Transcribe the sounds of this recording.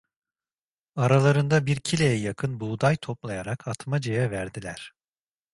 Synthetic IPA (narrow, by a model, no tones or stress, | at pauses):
aɾalˠaɾɯnd̪abiɾcʰilʲejɛjakʰɯnbuːd̪ajt̪ʰo̞plˠajaɾakʰat̪mad͡ʒejɛvæɾd̪ilʲæɾ̥